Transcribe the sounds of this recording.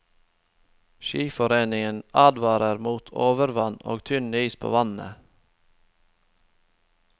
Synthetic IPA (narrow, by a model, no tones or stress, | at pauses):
ʃiːfɔɾeːnɪŋənɑːd̪ʋɑːɾəɾmuːt̪ʰoːʋəɾʋɑno̰ːɡt̪ʰʏnyːspʰo̰ːʋɑnə̰